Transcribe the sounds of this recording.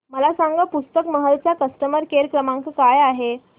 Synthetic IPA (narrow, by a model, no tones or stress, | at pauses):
məlasaŋɡəpust̪əkməɦəlt͡ɕjakəsʈəməɾkeɾkɾəmãŋkkajaɦe